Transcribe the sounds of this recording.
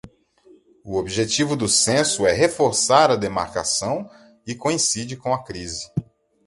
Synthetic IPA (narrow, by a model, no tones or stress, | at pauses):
ʊobiʒet͡ʃivʊd̪ʊsẽsʊɛɦefoɾsaɾɐd̪ema̰ɾka̰sɐ̃w̃ | ɪkõĩsid͡ʒɪkõw̃ɐkɾizɪ